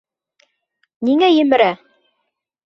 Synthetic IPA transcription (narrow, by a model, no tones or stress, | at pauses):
niŋæjɘ̆mɘ̆ɾæ